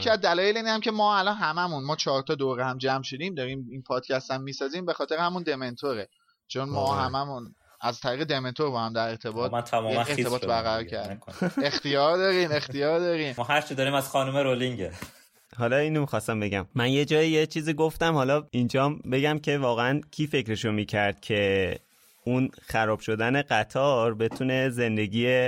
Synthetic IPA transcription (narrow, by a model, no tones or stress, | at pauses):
cʰiæzd̪ælɒːjeleiːnhæmcʰe̞mɒːælɒnɦæmæmunmɒːt͡ʃʰɒːɾt̪ʰɒːd̪oɾehæmd͡ʒæmʃod̪iːmd̪ɒːɾiːminpʰɒːd̪̥̚cʲʰæst̪æmːiːsɒːziːmbe̞xɒːt̪e̞ɾehæmund̪e̞me̞nt̪ʰoɾe | t͡ʃʰo̞nmɒːɦæmæmun | æzt̪ʰæɾiːɣed̪e̞me̞nt̪ʰo̞ɾbɒːhæmd̪æɾe̞ɾt̪ʰe̞bɒːt̪nt̪ʰæmɔeɾt̪e̞bɒːt̪bæɾɣæɾɒːɾkʰæɾd̪ike̞xt̪ijɒːɾd̪ɒːɾiːme̞xt̪ijɒːɾd̪ɒːɾiːmmɔːɦæɾt͡ʃʰid̪ɒɾiːmæz̥xɒːnumeɾoliŋɟe | hɒːlɒiːnomixɒːst̪æmbe̞ɟæmːænjed͡ʒɒːjijet͡ʃʰiːziːɡo̞ft̪æmhɒlɒind͡ʒɒːmbe̞ɡæmcʰe̞vɒːɣeæncʲʰiːfecɾe̞ʃomiːcʰæɾd̪̥cʰe̞ | unxæɾɒːb̥ʃo̞d̪æne̞ɢæt̪ʰɒːɾbe̞t̪ʰuːne̞ze̞nd̪e̞ɟiːe